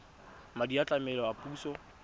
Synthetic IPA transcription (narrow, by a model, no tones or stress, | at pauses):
madiat͡ɬʼamɛlɔapʼuːsɔ